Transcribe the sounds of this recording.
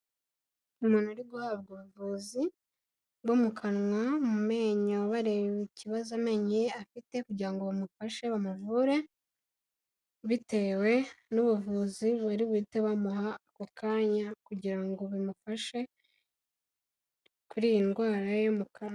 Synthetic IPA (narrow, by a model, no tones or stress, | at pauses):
umunaɾiɡuhaːβ̚ɡoβuvuːzi | βomukʰanŋwamume̞ːɲoβaɾewβiciβazame̞ːɲieafite̞kuɟiɾaŋɡo̞βamufaʃe̞βamuvuɾe̞ | βite̞ːwe̞nuβuvuːziβuɾiβiːteβamuɦakokʰaːɲakuɟiɾaŋɡo̞βimufaʃe̞ | kuɾijinɡwaːɾajomukʰana